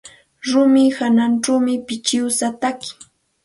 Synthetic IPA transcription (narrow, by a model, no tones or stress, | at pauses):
ɾʊmɪhananʈ͡ʂawmɪpɪt͡ʃɪwsat̪akɪ̥